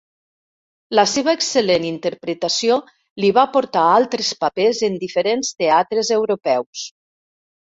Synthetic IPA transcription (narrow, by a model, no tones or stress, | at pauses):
ləseβaːksəlenint̪əɾpɾət̪asio | liβapoɾt̪aalˠt̪ɾespapezend̪ifəɾenst̪eat̪ɾəzewɾopɛws